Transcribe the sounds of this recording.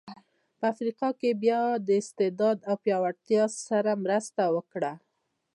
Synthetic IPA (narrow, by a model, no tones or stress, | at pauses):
pəafɾiqɑkebjɑd̪əɪst̪ɪd̪ɑd̪awpjɑwaɽt̪jɑsaɾamɾəst̪awəkɽa